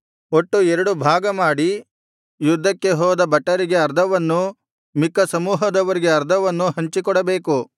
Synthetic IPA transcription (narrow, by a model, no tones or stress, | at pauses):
oʈːuɛɾɐɽubʱaːɡɐmaːɽi | jud̪ʱːɐkːe̞ɦɔːd̪ɐbɐʈːɐɾiɡe̞ɐɾd̪ʱɐʋɐnːu | mikːɐsɐmuːɦɐd̪ɐʋɐɾiɡe̞ɐɾd̪ʱɐʋɐnːuɦɐɲt͡ʃikɔɽɐbe̞ːku